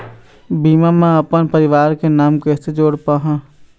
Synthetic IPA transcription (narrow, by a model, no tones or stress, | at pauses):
biːmãmẽɐpənpəɾɪʋaːɾkenaːmkɛːsed͡ʒoːɽpaːɦãː